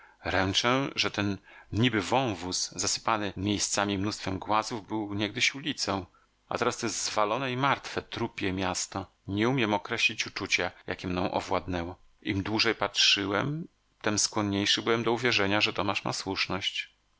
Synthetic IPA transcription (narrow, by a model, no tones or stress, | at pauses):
ɾɛnt͡ʂɛʐɛt̪ɛnɲibɘvɔ̃w̃vuszasɘ̥panɘmʲjejst̪samʲimnust̪fɛmɡwazuvbɘwɲɛɡ̚d̪ɘɕulʲit̪sɔ̃w̃ | a̰t̪ɛɾast̪ɛzvalɔnɛimaɾt̪fɛt̪ɾupʲjɛmʲjast̪ɔ | ɲɛumʲjɛmɔkɾɛɕlʲit͡ɕut͡ʂut͡ɕaja̰kʲɛmnɔ̃w̃ʔɔ̰vwad̪nɛwɔ | ʔimd̪wuʐɛjpatʂɘwɛm | t̪ɛmskwɔɲɲejʂɘbɨwɛmd̪ɔuvʲjɛʐɛɲaʐɛt̪ɔmaʂma̰swuʂnɔɕt͡ɕ